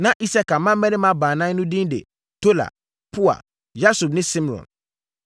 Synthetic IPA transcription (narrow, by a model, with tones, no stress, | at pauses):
nã˦ʔi˦sa˦ka˨mã˦mɛ̃˦nɪ̃˦mã˦bãː˨nã˦nʊ̃˦dĩ˦ndḛ˨ | tʰo˦la̰˨ | pʰu˦a̰˨ | ja˦su˨b̚nɪ̃˦sɪ̃˦m˨ɾɔ̰̃˨n